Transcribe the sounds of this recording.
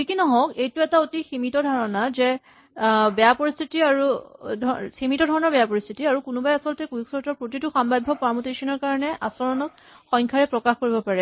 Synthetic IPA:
tʰikinɔɦɔkejtʊɛtaotiximitɔdʱaɹɔnazɛ | bɛjapoɹist̪ʰitiaɹudʱximitɔdʱɔɹɔnɔɹbɛjapoɹist̪ʰitiaɹukunubajasɔltɛkujuksɔɹtɔɹpɹotituxambabʱːɔpaɹmutesɔnɔɹkaɹɔnɛʔasɔɹɔnɔk̚ | xɔ̃jŋkʰaɹɛpɹɔkaxkoɹibɔpaɹɛ

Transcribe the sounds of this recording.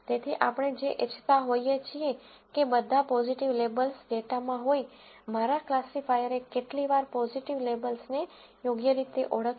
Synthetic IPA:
t̪et̪ʰiʔapɳ̃ed͡ʒeʔet͡ʃʰt̪aɦojet͡ʃʰie | kebəd̪ʱapɔziʈiʋlebəlsɖeʈamãɦoimaɾaklasifajəɾekeʈliʋaɾpɔziʈiʋlebəlsne | joɡjəɾit̪eʔoɽək

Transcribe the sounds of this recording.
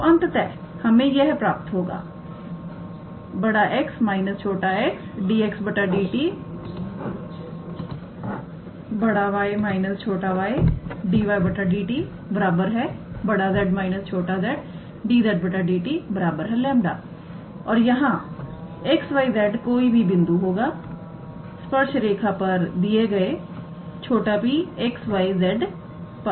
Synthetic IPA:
oənt̪t̪ɛː | həmẽːjɛɦpɾaːpət̪ɦoːɡa̰ː | bəɽaːʔɪksmaːɪnəst͡ʃʰoːʈaːɛksɖiːɛksbəʈːaːɖiːʈiː | bəɽaːʋaːemaːɪnəst͡ʃʰoːʈaːʋaːeːɖiːʋaːebəʈaːɖiːʈiː | bəɾaːbəɾɦɛːbəɽaːzɛːɖmaːɪnəst͡ʃʰoːʈazɛːɖ | ɖiːzɛːɖbəʈaɖiːʈibəɾaːbəɾɦɛːlɛ̃ːmɖa̰ː | ɔːɾjɐɦãː | eksʋaːizɛːɖkoːibʱibɪ̃nd̪uɦoːɡaː | spəɾʃɾeːkʰaːpəɾd̪ieɡəe | t͡ʃʰoːʈapiːeksʋaːizɛːɖ | p

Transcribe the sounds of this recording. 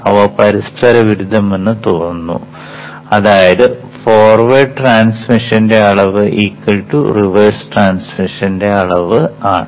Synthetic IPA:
ɐʋɐpɐɾist̪ʰɐɾɐʋiɾud̪ʱːɐmenːɨt̪oːnːṵ | ɐðaːjɐðɨ | foːrʋeʈraːnsmiʂɐnde̞ɐɭɐʋɨʔiːkːɐlʈṵriʋɐsʈraːnsmiʂɐnde̞ɐɭɐʋɨaːɳɨ

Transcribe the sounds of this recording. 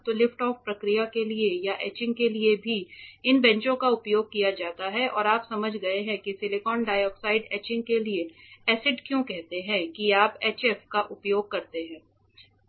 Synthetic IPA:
t̪olɪfʈɔːfpɾɐkɾijakeliejaʔɛːt͡ʃɪ̃ŋɡkeliebʱiɪnbɛ̃ɲt͡ʃõkaʊpjoːɡ̚kijad͡ʒaːt̪aɦɛʔɔ̰ːɾaːpsɐməd͡ʒʱɡɐeɦɛ̃kisɪlekɔːnɖaːjɔːksaːɪɖɛːt͡ʃɪ̃ŋɡ̚kelieɛːsɪɖkjõkɛɦt̪eɦɛ̃kiaːpɛːt͡ʃɛːfkaʔʊpjoːɡ̚kɐɾt̪eɦɛ̃ː

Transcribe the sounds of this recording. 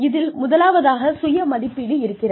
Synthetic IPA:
ɪðɪlmʊðɐlaːʋɐðaːɣɐsʊjɐmɐðɪpːɪɽiɪɾɯkːɪrɐ

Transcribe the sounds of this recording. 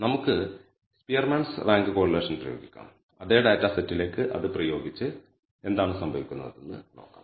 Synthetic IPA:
nɐmukːɨ | spijɐrmaːɳsraːŋɡɨko̞ːrileːʂɐnprɐjoːɡikʲːa̰ːm | ɐðe̞ːɖɐjtːaːsetːileːkːɨʔɐ̰ðɨprɐjo̞ːɡit͡ɕːɨ | e̞nd̪aːɳɨsɐmbʱɐʋikʲːunːɐ̰ðenːɨ̰no̞ːkːa̰ːm

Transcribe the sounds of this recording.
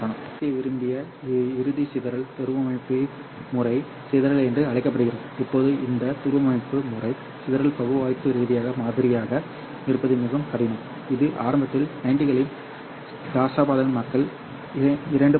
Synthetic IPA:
ɐɳɯmeʋɪɾɯmbɪjɐ | ɪɾɯðisɪðɐɾɐɭt̪ʊɾɯʋɐmɐɳɪpːi | mʊrɐɪ | sɪðɐɾɐɭɛndrɯɐɭɐɪkːɐp̬ːɐɽɯɣɪɾɐðɯɪpːoːðɯɪnd̪ɐt̪ʊɾɯʋɐmɐɳɪpːɯmʊrɐɪ | sɪðɐɾɐɭpɐɣɯʋaːjpːɯɾiːðɪjaːɣɐmaːðɪɾɪjaːɣɐ | nɪɾɯpːɐðɪmʊɣɐmkɐɽɪnɯm | ɪðɯʔa̰ːɾɐmbɐt̪ːɪlɐɪɳɖɪɣɐɭɪm | d̪aːsaːbaːðɐɣɐnmɐkːɐɭ | ɪɾɐɳɖɯ

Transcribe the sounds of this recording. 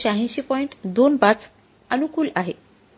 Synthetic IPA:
ɕaɦẽɕipɔiɳʈd̪onpat͡s | ənukuːlaɦe

